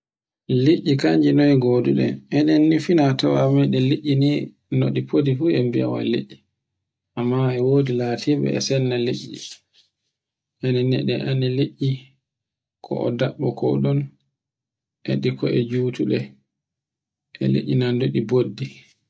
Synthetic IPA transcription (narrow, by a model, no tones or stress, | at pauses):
leʔːikaɲd͡ʒinɔjɡɔduɗɛ̰ɛnɛnːifinatawamajɗɛleʔːini | noɗipʰodifuɛmbia̰wa̰lḛʔːi | ʔamːaɛwoːdilatʰibɛ̰ɛ̰sɛnːaleʔːḭ | ʔɛnɛnːɛ̰ɗɛʔanileʔːi | kʰɔ̰ʔɔdaɓːɔkʰɔ̰ɗɔn | ʔɛ̰ɗikʰɔʔɛd͡ʒuːtuɗɛ | ʔɛ̰lḛʔʲːinandoɗibodːi